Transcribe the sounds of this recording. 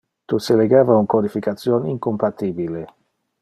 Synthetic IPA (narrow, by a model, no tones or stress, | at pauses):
t̪useleɡaːvauŋkod̪ifikat̪sjoniŋkompat̪iːbile